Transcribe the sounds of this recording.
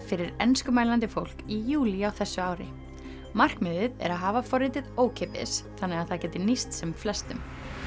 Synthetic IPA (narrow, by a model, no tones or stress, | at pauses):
fɪɾɪɾɛnskʏmaːjlant̪ɪfowl̥kijuːliawθɛsːʏaːwɾɪ̰ | mar̥kmɪðɪðɛ̰ɾaðɦaːvafɔɾɪt̪ɪðoːwcʰɪpɪ̰sθanːɛɣaðθaðcɛːt̪ɪɾnist̪sɛmflɛst̪ʏm